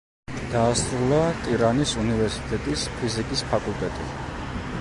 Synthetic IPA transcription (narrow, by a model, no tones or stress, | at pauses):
d̪̥aːsʼɾulˠat̪ʼiɾanisunivɛɾsi̥t̪ʼɛt̪ʼispʰizikʼispʰakʼulˠt̪ʼɛt̪ʼḭ